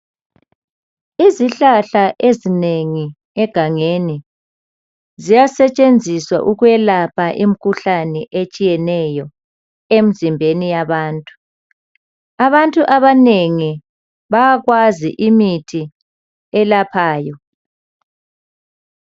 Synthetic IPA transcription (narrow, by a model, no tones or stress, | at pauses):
iziɬaɬaʔezineŋi | ɛɡ̥ʱaŋeni | zijasɛt͡ʃʼend͡zʱiswa̰ʔuɣwɛlapʰaʔim̩kʰuɬanɛʔet͡ʃʼijɛnɛjɔ | em̩zimbʱenijaβaːntʼu̥ | aβantʼuʔaβaneŋi | βajaɣwazḭʔimitʰi | ɛlapʰaːjɔ